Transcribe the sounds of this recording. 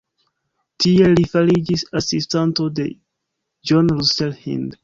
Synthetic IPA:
tie̞lifalid͡ʒisasistanto̞de̞̰ | d͡ʒonɾuselhḭnd

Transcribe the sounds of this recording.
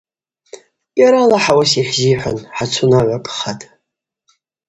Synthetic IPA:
ɡʲʼaɾalaħawasiħzijħʷa̰nħat͡sʷʰʊnaʕʷakʼχatʼ

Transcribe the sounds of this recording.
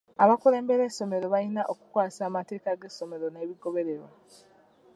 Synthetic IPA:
aβakuɾe̞ːmbeɾe̞so̞me̞ɾo̞βainaʔokukwaːsaːmate̞ːkaɡe̞so̞me̞ɾo̞ne̞ːβiɡo̞βe̞ɾe̞ɾwa

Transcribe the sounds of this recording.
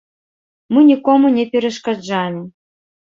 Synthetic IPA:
mɨnʲikɔmunʲɛpʲɛɾɐʂkad͡ʐalʲɪ

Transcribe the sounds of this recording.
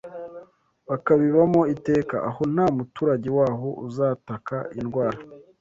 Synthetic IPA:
βakaβiβamo̞ite̞ːka̰ʔaho̞n̥haːmutuːɾaɟewaːɦo̞ʔuzaːtakainɡwaːɾa

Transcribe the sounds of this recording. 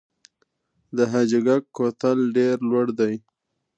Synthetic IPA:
d̪əɦad͡ʒɪɡakːot̪alɖeɾlwaɽd̪aj

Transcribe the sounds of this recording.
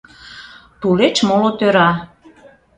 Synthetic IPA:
t̪ulet͡ɕmolot̪øɾɑ

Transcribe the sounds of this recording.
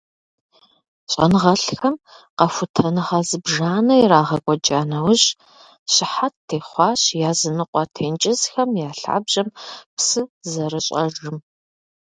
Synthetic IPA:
ɕʼɐ̰nɨʁɐɬxɐmqɐfʷʊtʰɐnɨʁɐzɨbʒaːnɐjɾaːʁɐɡʷɔd͡ʒʼaːnɐwʊɕ | ɕɪħatːʰeːχʷɑːɕjaːzɨnɨqʷʼɑtʰeːnt͡ʃʼɪzxɐmjaːɬa̰ːbʒɐmpsɨzɐrɨɕʼɐ̰rɨm

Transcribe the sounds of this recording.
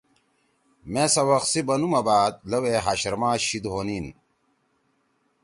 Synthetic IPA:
mesɐwɐxsibɐnumɐbaːd̪̚lɐweɦaːɕɾmãːɕid̪ɦoːnin

